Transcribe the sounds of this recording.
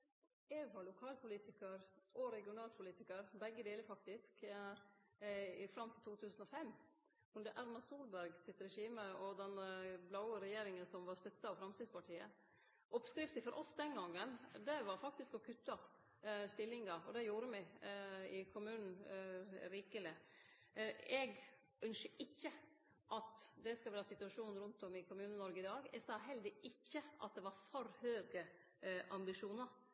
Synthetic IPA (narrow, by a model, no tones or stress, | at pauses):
ɛɡʋɑɾɭʊkʰɑːlpʊliːt̪ɪkəɾʔɔɾɛɡɪʊnɑːlpʰʊliːt̪ɪkəɾbɛɡːəd̪eːləɾfɑk̚t̪ɪsk | ɪfɾɑmt̪ʰɪlt̪ʰuːt̪ʰʉːsən̩ɔfɛmː | ʉnd̪əʔæɾmɑsuːlbæɾɡsɪt̪ːɾɛʂiːməɔd̪ɛnblaʊəɾɛjeːɾɪŋənsɔmʋɑɾst̪œt̪ːɑɑʋfɾɑmst̪ɪːd̪spɑʈʰiːə̰ | ʔɔpskɾɪft̪ɪfɔɾʔɔsd̪ɛnɡɑŋːənd̪ɛʋɑɾfɑk̚t̪ɪskɔkʰʉt̪ːɑ | st̪ɪlːɪŋɑɾɔd̪ɛjuːɾəmɛɡɪkʰʊmʉːnn̩ | ɾiːkəlɪ | ɛɡ | ʔœnsəʔɪçːə | ʔɑt̪d̪ɛskɑʋæːɾəsɪt̪ʉɑʂuːn̩ɾʉnt̪ɔmɪkʊmʉːnənɔɾɡəɪd̪ɑːɡɛ̰ɡsɑːɦɛld̪ɪɪçːəʔɑ̰t̪̚d̪ɛʋɑɾfɔɾhøːɡə | ʔɑmbɪʂuːnəɾ